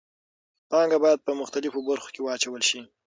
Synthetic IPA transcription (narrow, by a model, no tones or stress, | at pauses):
pɑŋɡabɑjad̪̚pəmʊxt̪alɪfobaɾxo̥kewɑːt͡ʃawəlʃi